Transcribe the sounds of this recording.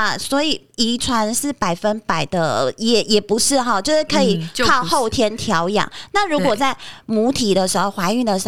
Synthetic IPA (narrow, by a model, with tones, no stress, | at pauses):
ɐ˨˩swɔ˧˥i˨˩i˧˥ʈ͡ʂʰwa˧˥nʂɻ̩˥˩pa˨˩ɪfə˥npa˨˩ɪd̪ə˦jɛ˨˩jɛ˨˩pu˧˥ʂɻ̩˥˩xɑ˨˧t͡ɕjo˥˧ʂ̩˥˩kʰɤ˧˥i˨˩ɑ˥˨˧ʊxo˥˩ʊt̪ʰjɛ˥nt̪ʰjɑ˧˥ʊjɑ̰˨˩˦ŋna˥˩ɻu˧˥kwɔ˨˩t͡sa˥˩ɪmu˧˥t̪ʰi˨˩d̪ə˦ʂɻ̩˧˥xo˧ʊxwa˧˥ɪy˥˩ŋd̪ə˩ʂ̩˧˥